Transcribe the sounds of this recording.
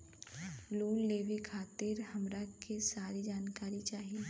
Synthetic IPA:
loːlleːʋekʰaːt̪ɪɾhɐmɾakesaːɾid͡ʒaːnkaːɾit͡ʃaːɦieː

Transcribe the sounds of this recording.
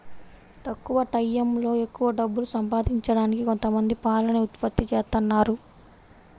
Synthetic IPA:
t̪ɐkːuʋɐʈɐjːemlo̞ːe̞kːuʋɐɖɐbːulusɐmpaːd̪iɲt͡ʃɐɽaːnikiko̞nt̪ɐmɐnd̪ipaːlɐnɐut̪pɐt̪ːit͡ʃeːst̪ɐnːaːɾu

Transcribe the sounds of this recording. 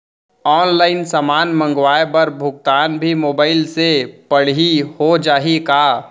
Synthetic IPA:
ɔːnlaːɪnsaːmaːnmə̃ŋɡʋaːebɐɾbʱʊɡ̚t̪aːnbʱimoːbaːɪlsepəɽ̤ɦihod͡ʒaːɦika

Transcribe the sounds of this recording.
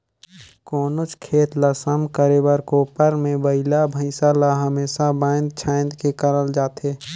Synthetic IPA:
kɔːnot͡ʃkʰeːt̪lasəmkəɾebəɾkopəɾmẽbəɪlabʱə̃ɪsaːlaɦəmeːsabãːnd̪̚t͡ʃʰaːɪnd̪kekəɾəld͡ʒaːt̪eː

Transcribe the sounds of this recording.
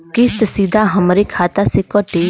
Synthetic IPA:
kɪst̪sid̪ʱaɦəmɾekʰaːt̪asekɔʈe

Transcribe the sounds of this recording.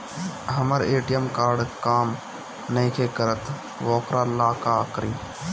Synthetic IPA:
ɦəməɾeːʈijəmkaːɾɖkaːm | nɐĩkʰekəɾət̪ʰ | ʋɔːkɾalaːkakɾiː

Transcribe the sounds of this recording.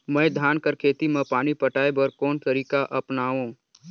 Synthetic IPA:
mɛ̃ːd̪ʱaːnkəɾkʰeːt̪imẽpaːnipɐʈaːebɔːɾkɔːnt̪əɾiːkaʔɐpnaːũː

